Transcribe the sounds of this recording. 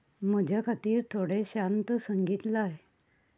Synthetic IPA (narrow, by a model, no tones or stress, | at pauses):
m̤əd͡ʑʱakʰat̪iːɾt̪ʰoɽeɕant̪əsəŋɡit̪laj